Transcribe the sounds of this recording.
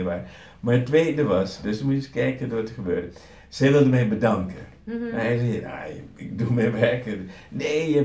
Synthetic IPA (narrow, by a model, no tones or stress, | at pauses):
ʋaː | maɹətːʋeːddəʋɑsdøsmuskɛjkədoʋɑtəχəbø̰ːdə | sɛjʋɪlˠdəmɛjbədɑŋkə | ɛsɛja̰ɪk̚dumɛjʋɛɹkə | neːə